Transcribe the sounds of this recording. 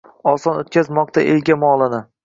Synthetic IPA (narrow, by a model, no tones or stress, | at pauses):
ɒsɒnot̪̚kʲʰazmɒqt̪ʰaʔelɡʲamɒlˠɪnɪ